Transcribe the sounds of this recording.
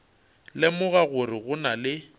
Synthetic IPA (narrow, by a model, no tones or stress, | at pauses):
lɪmʊɣaɣʊrɪɣʊnalɪ